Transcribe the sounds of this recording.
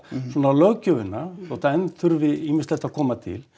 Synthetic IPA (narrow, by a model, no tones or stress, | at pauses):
sɔːnalœɣcœvɪnːaθɔht̪aɛnθʏɾvɪimɪnslɛht̪aðkʰɔːmat̪ʰɪ̰l